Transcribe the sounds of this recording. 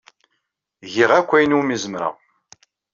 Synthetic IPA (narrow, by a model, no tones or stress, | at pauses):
ʝiʁækʷːæjnumizəmɾa̰ʁ